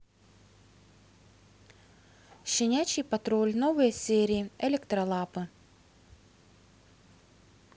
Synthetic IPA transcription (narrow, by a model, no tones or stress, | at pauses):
ɕɪnʲæt͡ɕːɪjpɐt̪ɾolʲnovɨjəsʲeɾʲɪːɛlʲekt̪ɾɐlˠapɨ